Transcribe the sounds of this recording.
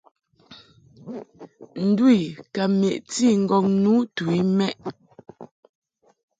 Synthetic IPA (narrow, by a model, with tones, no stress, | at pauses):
n̩˨dwi˨ka˨me˨ʔt͡si˦˨ŋ̩˨ɡɔ˨ŋnu˦tu˨i˦mɛ˦ʔ